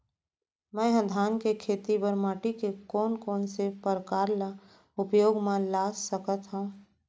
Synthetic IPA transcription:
mɛ̃ɦə̃d̪ʱaːnkekʰeːt̪ibəɾmaːʈikekɔːnkɔːnsepəɾkaːɾla | ʊpjoːɡmãlaːssəkət̪ɦũ

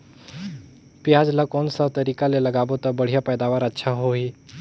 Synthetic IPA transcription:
pijad͡zlakonsat̪əɾikaleləɡaʋot̪əbəɽ̤ijapəjd̪aʋaɾətːɕʰaɦoi

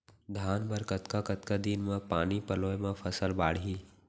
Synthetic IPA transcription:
d̪ʱaːnbəɾkət̪kakət̪kad̪inmẽpaːnipəloːemẽpʰəsəlbaːɽ̤iː

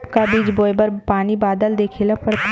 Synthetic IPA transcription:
pkabiːd͡ʒboːjbəɾpaːnibaːd̪əld̪eːkʰeːləpəɾt̪

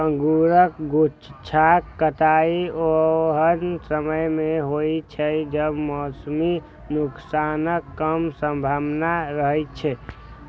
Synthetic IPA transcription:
ə̃ŋɡuɾəkɡut͡ʃt͡ʃʰakːət̪aːioɦənsəməjmẽɦoit͡ʃʰɛd͡ʒəbmɔːsmi | nʊksaːnəkːəmsə̃mbʱabnaɾəɦɛt͡ʃʰɛ

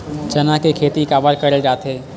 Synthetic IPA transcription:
t͡ʃɐnakekʰeːt̪ikaːbaɾkɐɾed͡ʒaːt̪ɦeː

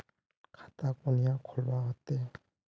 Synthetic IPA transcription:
kʰḁt̪akɔnijakʰɔlbaɦɔt̪ːe

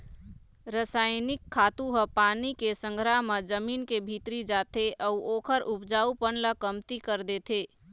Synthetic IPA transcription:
ɾəsaːɪnɪkʰːaːt̪ũɦəpaːnikesə̃ŋɡʱɾaɦməd͡ʒəmiːnkebʱit̪ɾid͡ʒaːt̪eʔɔʊoːkʰəɾʊpd͡ʒaːupənləkəmt̪ikəɾd̪eːt̪ʰeː

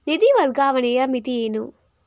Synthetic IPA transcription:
nid̪iʋɐɾɡaːʋɐnejɐmit̪ieːnu

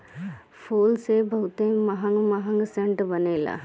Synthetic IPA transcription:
foːlsebɐɦut̪emɐɦɐ̃ŋɡmɐɦɐ̃ŋɡseɳʈbɐneːla̰

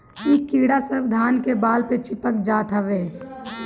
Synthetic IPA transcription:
iːkːiːɽasəbd̪ʱaːnkebaːlpet͡ʃɪpəkd͡ʒaːt̪ɦəʋeː

